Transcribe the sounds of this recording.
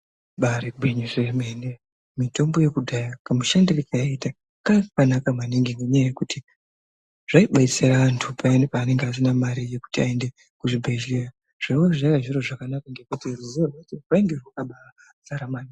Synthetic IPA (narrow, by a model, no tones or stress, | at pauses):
ɓareɡʱwiɲuʐemene | mito̞mbo̞je̞kudʱajakamuʃandirikajaita | kakanakamaniŋɡiŋɡeɲajaje̞kuti | ʐ̥aiɓait͡seɾaantʰupanpaːne̞ŋɡeas̬inamaɾije̞ku̥tiaende̞ | kuʐibʱeɮira | ʐ̥ewoʐakaʒiɾo̞ʐakanakaŋɡe̞kutiruzratirwaiŋɡeʐwakaɓaa | saɾamani